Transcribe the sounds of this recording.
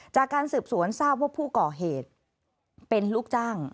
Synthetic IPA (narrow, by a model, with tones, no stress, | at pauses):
t͡ɕaː˨˩kːaː˧nsɯː˨˩p̚su˩˦ənsaː˥˩p̚waː˥˩pʰuː˥˩kɔː˨˩ɦeː˨˩t̪̚ | pe˧nluː˥˩k̚t͡ɕaː˥˩ŋ